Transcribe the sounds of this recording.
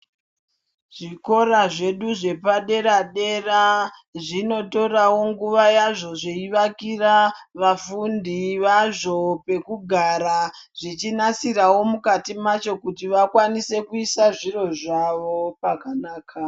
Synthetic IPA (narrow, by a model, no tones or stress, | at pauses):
ʐ̥iko̞ɾaʐe̞ɗuʐe̞paɗe̞ɾaɗe̞raʐino̞to̞rawo̞ŋɡuʋajaʐo̞ʐeiʋakiraʋafundiʋaʐo̞pe̞kuɡʱaɾaʐ̥it͡ʃinasirawo̞mukatimat͡ʃo̞kutiʋakwanise̞kuisaʐiro̞ʐaʋo̞pakanaːkʰa